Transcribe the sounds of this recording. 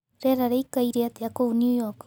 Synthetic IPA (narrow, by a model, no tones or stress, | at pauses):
ɾeɾaɾejkaiɾeat̪eakownjujok